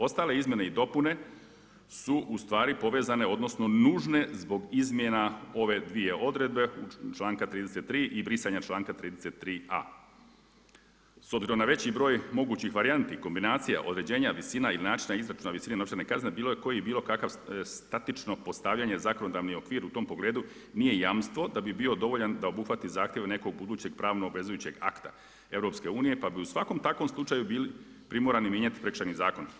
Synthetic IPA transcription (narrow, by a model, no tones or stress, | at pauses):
o̞st̪aːle̞izmje̞ne̞id̪o̞pune̞ | suʔust̪ʋaːɾipo̞ʋe̞ːzane̞o̞d̪no̞sno̞nuːʒne̞zbo̞ɡizmje̞nao̞ʋe̞d̪ʋie̞ʔo̞d̪ɾe̞d̪̚be̞ut͡ʃlˠaːŋkat̪ɾiːd̪e̞set̪ːɾiːʔibɾisaɲat͡ʃlˠaːŋkat̪ɾiːd̪eset̪ːɾiːa̰ | sobziɾo̞mnaʋe̞t͡ɕibɾo̞ːjmo̞ɡuːt͡ɕixʋaɾiant̪iko̞mbinaːt̪sija̰ʔo̞d̪ɾe̞d͡ʑe̞ːɲaʋisinailinaːt͡ʃinaizɾat͡ʃunaʋisinenopʃt͡ɕ̪aɾnekazne̞biːlojeko̞jibiːlo̞kakaʋst̪at̪it͡ʃno̞po̞st̪aːʋʎaːɲe̞zako̞no̞d̪aːʋnio̞kʋiːɾut̪o̞mpo̞ɡleːd̪unije̞jaːmst̪ʋo̞d̪abibio̞d̪o̞ʋo̞ʎand̪aobuxʋat̪izaːxt̪jeʋne̞ko̞ɡ̚bud̪uːt͡ɕe̞ɡpɾaːʋnoobʋe̞zujuːt͡ɕe̞ɡa̰kt̪a̰ | e̞ʋɾo̞pske̞uːnije̞pabiusʋako̞mt̪akʋo̞mslˠut͡ʃajubiːli | pɾimoɾanimjeɲat̪i̥pɾekʃajnizaːko̞n